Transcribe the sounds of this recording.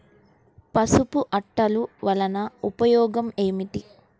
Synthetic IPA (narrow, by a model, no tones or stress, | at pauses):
pɐsupuʔɐʈːɐluʋɐlɐnɐupɐjɔːɡɐmeːmiʈi